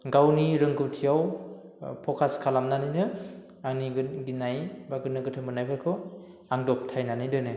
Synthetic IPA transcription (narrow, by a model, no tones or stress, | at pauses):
ɡawniɾɯŋɡɯwtʰijaw | pʰɔkʰaskʰalamnanɯjnɯ | aŋniɡɯɡinajbaɡɯnɯɡɯtʰɯmbɯnajpʰɯkʰɔ | aŋdɔp̚tʰajnanɯjdɯnɯ